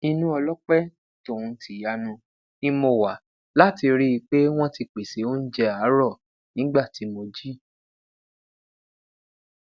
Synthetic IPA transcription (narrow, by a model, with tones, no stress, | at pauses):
i˧nũ˦ɔ˧lɔ˦k͡pɛ˦ | to˦˨ũ˨˧tʰi˨ja˧nũ˧ | i˧mo˧˨wa˨˦ | la˦ti˧ɾi˦i˧k͡pe˦w̃ɔ̃˦ti˧k͡pe˨se˨˦o˦n̩˦d͡ʒɛ˧a˨˦ɾɔ˦˨ | nĩ˨˦ɡ͡ba˦˨ti˨˦mo˧d͡ʒi˦